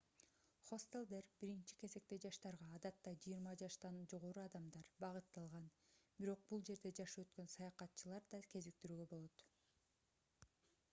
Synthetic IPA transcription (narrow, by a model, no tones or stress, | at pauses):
χo̞st̪elˠd̪eɾbiɾint͡ʃi̥ke̞ze̞k̚t̪e̞d͡ʒɑʃt̪ɑɾʁɑːd̪ɑt̪ːɑd͡ʒɯjiɾmɑd͡ʒɑʃt̪ɑnd͡ʒo̞ʁo̞ɾuɑd̪ɑmd̪ɑɾbɑʁɯt̪ːɑlˠʁɑnbiɾo̞q̚bulˠd͡ʒe̞ɾd̪e̞d͡ʒɑʃɯø̞t̪kø̞nsɑjɑqɑt̪ːt͡ʃʰɯlˠɑɾd̪ɑkʰe̞zik̚t̪yɾyːɡø̞bo̞lˠo̞t̪